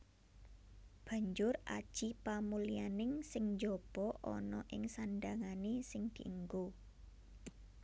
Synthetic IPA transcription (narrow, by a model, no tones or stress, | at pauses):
b̥ä̤ɲd͡ʒʊra̰d̥ʒ̥ipamulianɪŋsɪŋɲd͡ʒɔb̥ɔʔɔ̰nɔʔɪŋsanɖaŋanesɪŋd̪̥i̤ʔəŋɡo